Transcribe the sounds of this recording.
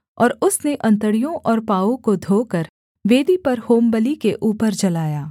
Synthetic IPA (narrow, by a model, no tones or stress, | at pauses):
ɔ̰ːɾʊsneʔɐ̃nt̪əɽijõʔɔːɾpaːõkod̪ʱoːkəɾ | ʋeːd̪ʱipɐɾhoːmbəlikeʔuːpəɾd͡ʒɐlaːjaː